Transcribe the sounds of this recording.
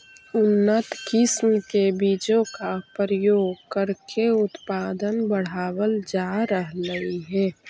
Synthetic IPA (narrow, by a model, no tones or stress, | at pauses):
ʊnːət̪kɪsmkebid͡ʒõkapəɾəjoːɡkəɾkʰeʊt̪paːd̪ənbəɽ̤aːwəld͡ʒaɾəɦləiɦɛː